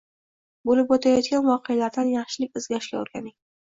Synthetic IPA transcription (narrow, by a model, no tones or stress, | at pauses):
bolɪpwot̪ʰajɒt̪ɡʲanvɒqʰejalaɾd̪anjɑχʃɪlɪkʲɪzɡʲaɾɪʃkʲa̰o̰ɾɡʲa̰nɪŋʲ